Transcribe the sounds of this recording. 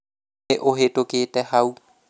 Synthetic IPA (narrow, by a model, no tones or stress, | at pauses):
eʔoɦetokeːtɛhau